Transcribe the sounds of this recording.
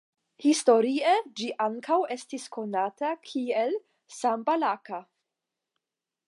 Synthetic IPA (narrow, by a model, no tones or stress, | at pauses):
histo̞ɾied͡ʒiʔaŋkawe̞stisko̞natakʰiel | sambalaka